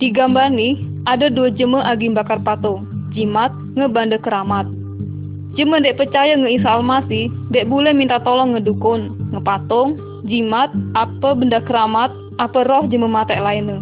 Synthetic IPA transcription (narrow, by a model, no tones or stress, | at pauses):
diɡambarnih | ʔadaduad͡ʒəməʔaɡiŋbakarpat̪ʊŋd͡ʒimat̪̚ŋəbandakəɾamat̪̚ | d͡ʒəməndɛʔpərt͡ʃajaŋəisaːlmasihndɛʔbulɛhmint̪at̪ɔlɔŋːədukʊnŋəpat̪ɔŋ | d͡ʒimat̪̚apəbəndakəɾamat̪̚ | apərɔhd͡ʒəməmat̪ɛʔlainə